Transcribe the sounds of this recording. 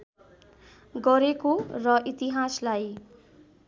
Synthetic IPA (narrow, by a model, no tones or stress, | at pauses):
ɡʌɾekorʌʔit̪iɦaslaj